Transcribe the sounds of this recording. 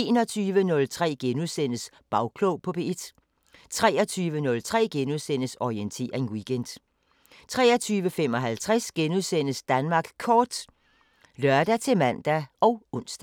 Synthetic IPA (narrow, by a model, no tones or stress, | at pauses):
e̝ːnɒ̽t͡sʰyːʋənɔ̽lt͡sʰʁɛ̰ːɡ̥enuðˠsen̰əs | b̥ɑ̈ʊkʰloʊpʰɒ̽b̥e̝ed̥ | t͡sʰʁɛ̰ːɒt͡sʰyːʋənɔ̽lt͡sʰʁɛ̰ːɡ̥enuðˠsen̰əsɒient͡sʰe̝̰ːɐʁeŋwiɡ̥end̥ | t͡sʰʁɛ̰ːɐt͡sʰyːʋəfem̰ɒ̽ɦælt͡sʰʁɛsɡ̥enuðˠsen̰əsd̥ænmɑ̈ːɡ̥kʰɒːd̥ | lœɐd̥æt͡sʰe̝mæn̰d̥æɒ̽ʊɔ̽n̰sd̥æ